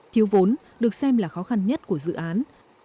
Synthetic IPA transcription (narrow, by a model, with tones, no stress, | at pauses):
t̪ʰi˨˦wvo˨˦n | ɗɨ˨˩ək̚sɛ˧mlaː˨˩xɔ˨˦xa˧nɲə˦˥t̚ku˧˩əzɨ̰˧˨ʔaː˨˦n